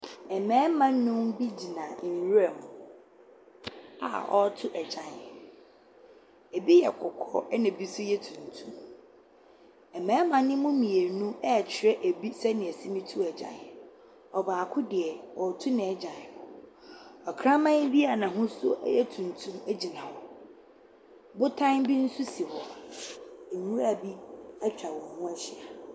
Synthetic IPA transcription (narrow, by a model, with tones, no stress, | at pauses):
ɛ˨mɛ̃ː˦mã˦n˦nʊ̃˦mbi˦d͡ʑi˨nã˨n˨ɾɛ˨mʊ̃˨ | a̰˨ʔɔ˦tʰʊ˦ʔɛ˨d͡ʑã˨n | e˨bi˦jɛ̰˨kʰɔ˨kʰɔ̰˦ɛ˦nɪ̃˨bi˦sʊ˦jɛ˦tʰũ˨n˨tʰũ˦m | ɛ˨mɛ̃ː˨˦mã˨˦nɪ̃˦mʊ̃˦mĩ˨e˨nũ˦ɛ˦˨t͡ɕʰɪ˨ɾɛ˦ʔe˨bi˦sɛ˦nɪ̃˨ɛ˨sɪ˦mĩ˦tʰu˦ɛ˨d͡ʑã̰˨n | ɔ˨baː˨kʰʊ˦dɪ˨ɛ˨wɔ˨tʰu˦nɪ̃˨ɛ˦d͡ʑã˨ʊ | ɔ˨kʰɾã˦mã˦n˦bi˦a˨nã˨ɦʊ̃˦sʊ˦ʔɛ̰˦jɛ˦tʰũ˨n˨tʰũ˦mæ˦d͡ʑi˨nã˨hɔ˦ | bʊ˦tʰã˦mbi˦n̩˦su˦si˨hɔ˨ | e˨mũ˦ɾa˦˨bi˦ɛ˦t͡ɕᶣa˨wɔ̃˨hũ˦ɛ˦ɕɪ˨a˨